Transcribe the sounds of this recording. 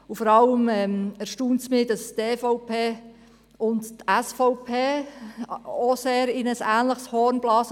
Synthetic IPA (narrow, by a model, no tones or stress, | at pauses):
ufɔɾɑləmɛmæɾʃtuːntsmɪːdɑsteːfɔʊpʰeː | ʊnttæsfɔʊpʰeː | oseːɾɪnəsæːnləχshɔːɾnblɑːs